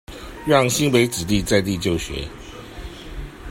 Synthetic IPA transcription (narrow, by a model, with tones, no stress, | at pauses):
ɥɑ˥˨˩ŋɕi˥npe˧˥ɪt͡sɻ̩˨˩t̪i˥˧t͡sa˥˧ɪt̪i˥˧t͡ɕjo˥˨ʊɕɥɛ̰˧˦